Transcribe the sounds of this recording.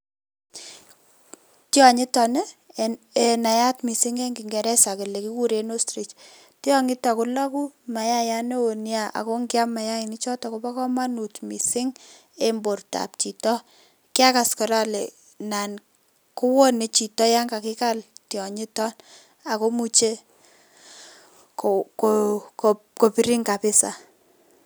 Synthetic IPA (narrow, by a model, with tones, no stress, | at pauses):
tjɔ˨ɲɪ˦tɔ˨ne˦ | e˨na˨ja˦tmi˨sɪ˦ŋe˦ŋɡi˨ŋɡɛ˨ɾɛ˦sa˨ke˨le˨ki˦ku˦ɾe˨˦no˦stɾi˨t͡ʃ | tjɔ˦ŋɪ˦ta˨ku˦lɔ˦ku˦ma˨ja˦ja˦ne˦wo˨nja˦ʔa̰˨ko˦ŋɡɪ˦a˦ma˨ja˦i˨ni˦t͡ʃɔ˦tɔ˨ko˦pa˦kɔ˦ma˦nu˨tmi˨sɪ˦ŋ | e˦mbo˨rta̰˨p̚t͡ʃi˨tɔ˦ | kɪ˦a˦ka˨skɔ˨ɾa˦lɛ˨ | na˨n | ku˦wɔ˦ne˨t͡ʃi˨tɔ˦ja˦ŋɡa˨kɪ˦ka˦ltjɔ˨ɲɪ˦tɔ˦n | a˨ko˦mu˦t͡ʃe˦ | kokoko | ko˨pi˦ɾi˦ŋka˨pɪ˦sa̰˨